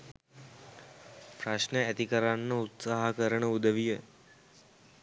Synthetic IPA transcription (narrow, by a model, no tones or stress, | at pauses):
pɾaʂnəæt̪ikəɾanːəut̪saːɦakəɾəɳəud̪əʋijə